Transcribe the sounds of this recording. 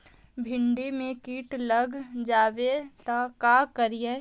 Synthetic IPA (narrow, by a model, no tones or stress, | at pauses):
bʱɪɳɖimẽkiːʈləɡd͡ʒaːʋet̪akaːkəɾije